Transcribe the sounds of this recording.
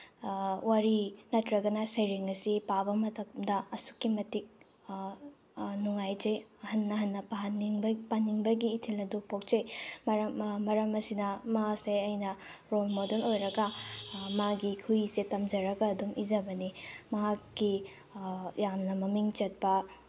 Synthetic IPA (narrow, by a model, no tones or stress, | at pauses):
waɾinɐtɾɐɡɐnɐsɐjɾeŋɐsipabɐmɐtʰɐkmdɐɐsu̥kːimɐtik̚ | nuŋajd͡ʒejɐhɐnːɐɦɐnːɐpɐɦɐniŋbɐpanːiŋbɐɡiːtʰelɐdupok̚t͡ʃejmmɐɾɐmɐsinɐmaasejɐjnɐɾolmodelojɾɐɡɐmaɡikʰusetɐmd͡ʒɐɾɐɡɐːdumizɐbɐnimɐɦakːi | jamnɐmɐmiŋt͡ʃɐt̚pɐ